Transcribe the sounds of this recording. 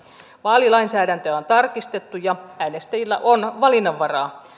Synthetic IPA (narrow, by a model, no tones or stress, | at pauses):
ʋɑːlilɑinsæːdænt̪øæont̪ɑrkist̪et̪ːujɑæːnest̪æjilːæ̰ʔonʋɑlinːɑʋːɑrɑː